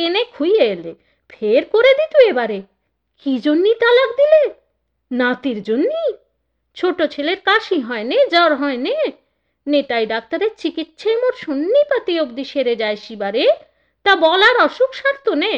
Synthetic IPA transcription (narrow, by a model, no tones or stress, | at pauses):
enekʰujeele | pʰeɾkoɾed̪it̪uebaɾe | kid͡ʑonːit̪alakd̪ile | nat̪iɾd͡ʑonːi | t͡ɕʰoʈot͡ɕʰeleɾkaʃiɦɔened͡ʑɔɾɦɔene | neʈajɖak̚t̪aɾeɾt͡ɕikit̪ʃʰemoɾʃonːipat̪iok̚d̪iʃeɾed͡ʑaeʃibaɾe | t̪abɔlaɾɔʃukʃaɾt̪one